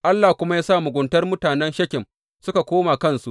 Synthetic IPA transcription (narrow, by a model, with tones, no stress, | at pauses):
ʔa˦lːaː˨hkʷʊ˦ma˦jaː˦saː˦˨mʊ˨ɡʷʊ˨ntɐ˦rmʊ˦taː˨nɛ˦nʃɐ˦kʲɪ˨m | sʊ˦ka˨kʷoː˦maː˨kɐ˦nsu˦ʔ